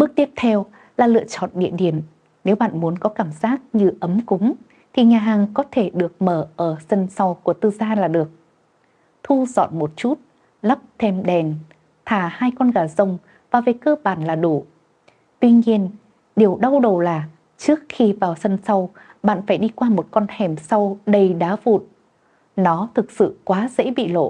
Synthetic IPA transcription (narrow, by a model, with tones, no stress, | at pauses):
ɓɨ˦˥k̚t̪i˦˥əp̚t̪ʰɛ˧w | laː˨˩lɨ̰˧˨ət͡ɕɔ̰˧˨nɗḭ˧˨əɗi˧˩əm | ne˨˦wɓa̰ː˧˨nmu˨˦ənkɔ˨˦kaː˧˩mzaː˦˥k̚ɲɨ˧ʔə˨˦mkʊ˨˦ŋ͡m | t̪ʰi˨˩ɲaː˨˩ɦaː˨˩ŋkɔ˨˦t̪ʰe˧˩ɗɨ˨˩ək̚məː˧˩ʔəː˧˩sə˧nsa˧wku˧˩ət̪ɨ˧zaː˧laː˨˩ɗɨ˨˩ək̚ | t̪ʰu˧zɔ̰˧˨nmo˨˩t̚t͡ɕu˦˥t̚ | lə˦˥p̚t̪ʰe˧mɗɛ˨˩n | t̪ʰaː˧˩haː˧jkɔ˧nɣaː˧˩zə˧˩wŋ͡m | vaː˨˩ve˨˩kəː˧ɓaː˧˩nlaː˨˩ɗu˧˩ | t̪wi˧ɲi˧ən | ɗe˨˩əwɗa˧wɗə˨˩wlaː˨˩ | t͡ɕɨ˦˥ək̚xi˧vaː˨˩wsə˧nsa˧w | ɓa̰ː˧˨nfaː˧˩jɗi˧kwaː˧mo˨˩t̚kɔ˧nhɛ˨˩msa˧wɗə˧jɗa̰ː˨˦vṵ˧˨t̚ | nɔ˨˦t̪ʰɨ˨˩k̚sɨ̰˧˨kwaː˨˦zḛ˧˥ɓḭ˧˨lo̰˧˨